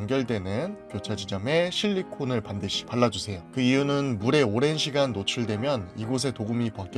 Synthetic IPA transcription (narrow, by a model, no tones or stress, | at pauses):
ŋɡjʌɭde̞nɯnkjot͡ɕʰad͡ʑid͡ʑʌme̞ɕʰiʎːikʰonɯɭpandɯɕʰi̥paɭːad͡ʑusʰe̞jokɯijunɯnmuɾe̞oɾe̞nɕʰiɡanːot͡ɕʰuɭde̞mjʌniɡos̬ʰe̞toɡumipʌk͈